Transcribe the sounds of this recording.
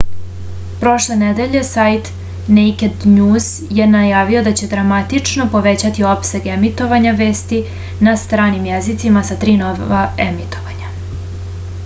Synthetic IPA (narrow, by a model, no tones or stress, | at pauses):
pɾo̞ʃlˠe̞ned̪eʎe̞sajt̪ | nejked̪ɲuːz̥ | je̞najaːʋio̞d̪at͡ɕe̞d̪ɾamat̪it͡ʂno̞po̞ʋe̞t͡ɕat̪io̞pse̞ɡemit̪o̞ʋaɲaʋe̞ːst̪i | nast̪ɾaːnimjezit̪simasat̪ɾiːnoʋaemit̪o̞ʋaɲa